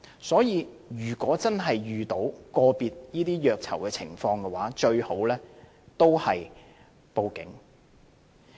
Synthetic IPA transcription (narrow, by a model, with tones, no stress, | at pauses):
sɔː˨˥jiː˨˧ | jyː˨˩kʷɔː˨˥t͡sɐ˥nɦɐ˨jɥyː˨t̪o˨˥wkɔː˧piː˧t̚niː˥t̪iː˥jœː˨˧k̚t͡sʰɐ̰˨˩wkɛː˧t͡sʰɪ̰˨˩ŋfɔː˧ŋkɛ˧waː˨˥t͡ʃɵ˧ɥho˨˥wlɛː˥ | t̪o˥whɐ˨j | po˧wkɪ̰˨˥ŋ